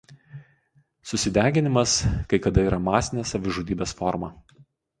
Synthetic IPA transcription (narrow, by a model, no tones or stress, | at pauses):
sʊsʲɪd̪ʲæːɡʲɪnʲɪmɐskɐɪkɐd̪ɐiːɾɐmɑːsʲɪnʲeːsɐʋʲɪʒuːd̪ʲiːbʲeːsfɔɾmɐ̰